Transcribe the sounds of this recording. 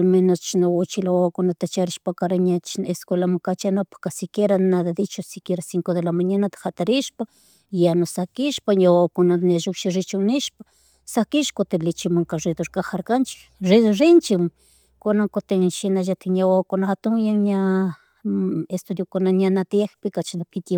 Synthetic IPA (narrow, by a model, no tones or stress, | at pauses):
lmenost͡ʃnawot͡ʃilawakonat̪at͡ʃaɾiʃpakaɾaɲat͡ʃneskwelamakat͡ʃanapḁkasikjeɾanad̪ad̪it͡ʃosikjeɾasiŋkod̪elamaɲanat̪ḁxat̪aɾiʃpa | janosakiʃpaɲawakonanaʒukʃiɾit͡ʃuniʃpḁ | sakiʃkot̪elit͡ʃimaŋkaʐid̪oɾkaxaɾkant͡ʃi̥ | ʐirint͡ʃim | konaŋkot̪eʃinaʒat̪ʰeɲawakonat̪uŋjaɲa | est̪ud̪jokonaɲanat̪jexpekat͡ʃinapʰit̪